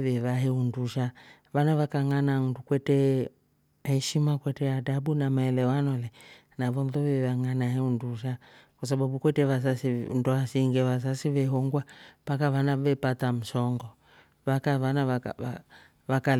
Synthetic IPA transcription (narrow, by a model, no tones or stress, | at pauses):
vɛvaɦɛunduʃa | ʋanaβakaŋanandukwɛtɛ | hɛʃimakwɛtɛadaɓunamaɛlɛwanɔlɛ | navɔnðɔvɛvaŋanaɦɛunduʃakwasaɓaɓukwɛtɛβas̬asinduasiŋɡɛβas̬asiʋɛɦɔŋɡwapakaβanavɛpatam̩sɔŋɡɔ | βakaβanaa̰a | βakal